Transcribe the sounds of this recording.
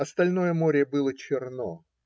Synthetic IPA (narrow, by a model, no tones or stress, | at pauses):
ɐst̪ɐlʲno̞jəmoɾʲɪəbɨlˠət͡ɕɪrno̰